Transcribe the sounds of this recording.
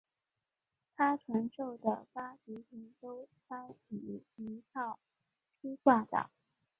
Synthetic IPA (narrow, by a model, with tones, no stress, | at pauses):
t̪ʰa˥ʈ͡ʂʰwa˧˥nʂo˥˩ʊd̪ə̰˩pa˥pi˧˥pʰi˧˥ŋt̪o˥ʊfa˥ni˨˩i˧˥t̪ʰɑ˥˩ʊ | pʰi˥swa˥˩t̪ɑ̰˨˩˦